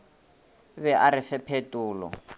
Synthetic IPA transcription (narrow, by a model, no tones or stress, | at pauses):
βɛʔaɾɪfɛpʰetʼuːlɔ̰